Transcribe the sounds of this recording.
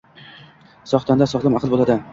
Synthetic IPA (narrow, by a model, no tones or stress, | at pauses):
sɒχt̪ʰand̪asɒʁlˠɪmɑqʰɨlˠbolˠad̪ɪ